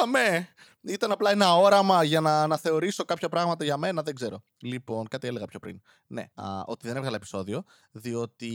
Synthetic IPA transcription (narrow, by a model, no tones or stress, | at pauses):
ɐme | it̪ɐnɐplɐenɐo̞ɾɐmɐʝɐnɐnɐθe̞o̞ɾiso̞kɐpçɐpɾɐɣmɐt̪ɐʝɐme̞nɐðe̞ɡze̞ɾo̞ | lipo̞nkɐt̪iele̞ɣɐpço̞pɾḭn | ne̞̰o̞̰t̪iðenevɣɐlɐepiso̞ðio̞ | ðio̞t̪i